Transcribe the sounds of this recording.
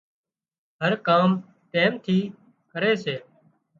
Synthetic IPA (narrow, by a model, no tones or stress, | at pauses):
ɦəɾkaːm | t̪eːmt̪ʰiː | kəɾeːseː